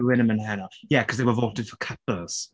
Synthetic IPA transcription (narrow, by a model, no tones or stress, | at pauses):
wɪ̃ñə̃mə̃nɦænəjækʰʌzðeɪwəvɔˑtɨd̥fəkʰʌpəz̥